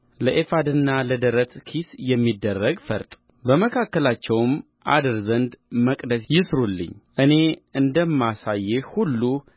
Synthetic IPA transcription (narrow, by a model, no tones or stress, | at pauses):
ləʔefad̪ɨnːaləd̪əɾət̪kʰisjɛmːid̪ːərːəɡfə̰ɾt̪ʼ | bəməkʰakːəlat͡ʃːɛwm | ʔa̰d̪ɨɾzənd̪məkʼd̪əsjɪsɾulːɨ̰ɲːʔɨne̞ɨnd̪əmːasajːehulːu